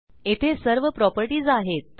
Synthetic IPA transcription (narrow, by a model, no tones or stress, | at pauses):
et̪ʰesəɾʋəpɾɔpəɾʈiːd͡zaɦet̪̚